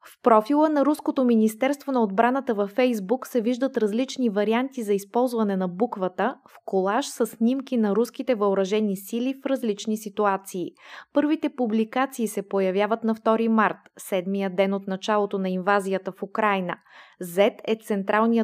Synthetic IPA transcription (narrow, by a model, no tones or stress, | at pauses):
fpɾɔfilˠənɐɾuskot̪ominist̪ɛɾst̪vonɐod̪̚bɾanət̪əvɐfɛjzbuksɛviʒd̪ət̪ɾɐzlit͡ʃnivɐɾiant̪izɐispɔlˠzvɐnɛnɐbukvət̪əfkolˠaʃsəsːnʲimkinɐɾusk̟it̪ɛvɐoɾɐʒɛnisilifɾɐzlit͡ʃnisit̪uat̪siːpɤɾvit̪ɛpublikat̪siːsɛpojɐvʲjavət̪nɐft̪ɔɾimaɾt̪sɛd̪mijəd̪ɛnot̪nɐt͡ʃalˠot̪onɐinvazijət̪əfukɾajnə̰ | zɛt̪ɛt̪sɛnt̪ɾʔalˠnijə